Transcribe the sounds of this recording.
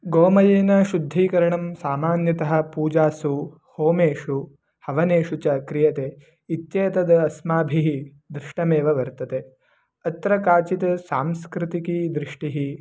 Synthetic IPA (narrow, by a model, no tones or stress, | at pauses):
ɡoːmɐjeːnɐʃud̪ʱːiːkɐɾɐɳɐmsaːmaːnjɐt̪ɐɦɐ̆puːd͡ʒaːsu | hoːmeːʂu | hɐʋɐneːʂut͡ʃɐkɾijɐt̪e | it̪jɐːt̪ɐd̪ɐɐsmaːbʱiɦi | d̪ɾɪʂʈɐmeːʋɐʋɐɾt̪ɐt̪e | ɐt̪ɾɐkaːt͡ʃit̪ɐsaːmskɾit̪ikid̪ɾiʂʈiɦi